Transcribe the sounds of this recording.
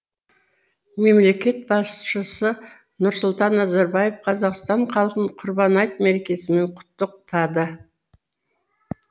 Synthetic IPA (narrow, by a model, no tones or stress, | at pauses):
me̞mle̞kʲe̞t̪̚bɑsʃəsə | nʊɾsʊlˠt̪ɑnːɑzɑɾbɑjefqʰɑzɑqst̪ɑɴqʰɑlˠqəɴqʰʊɾbɑnɑjt̪̚meɾe̞kʲe̞sɪme̞ɴqʰʊ̥t̪ːəq̚t̪ʰɑd̪ə